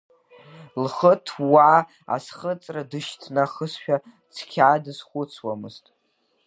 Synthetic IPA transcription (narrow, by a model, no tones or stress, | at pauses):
lχətʰwa | a̰sχət͡sʼradɨʃtʰnaχəsʃᶣa | t͡sʰkʲʰaːdɨsχʷʊt͡sʰwamɨztʼ